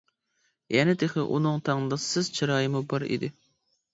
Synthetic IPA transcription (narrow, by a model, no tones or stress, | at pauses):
jɛnɪd̪eχɪʔṵnɨŋt̪ʰɑŋd̪ɑsːɨzt͡ʃʰɑɾɑːjɪmubɑɾḭd̪ɪ